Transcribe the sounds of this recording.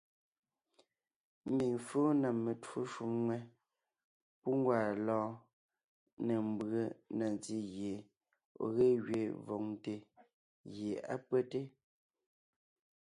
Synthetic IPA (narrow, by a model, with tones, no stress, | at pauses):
m̩˦bi˨ŋfo˦na˨mːe˨two˦ʃu˦mŋwɛ˦ | pu˦ŋ˦ɡwaː˨lɔː˦ | ne˨m˦bə˦na˨n˨ti˦ɣje˨ | o̰˨ɣe˦ɣɥe˨vɔ˨ŋ˦te˨ | ɣje˨a̰˦pwɛ˦te˦